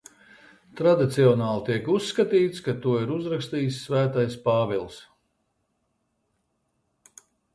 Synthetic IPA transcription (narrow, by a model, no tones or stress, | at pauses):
t̪ɾad̪it̪siɔnaːlˠt̪iɛkusːkat̪iːt̪skat̪uɔiɾuzɾakst̪iːsːvæːt̪ajspaːvilˠs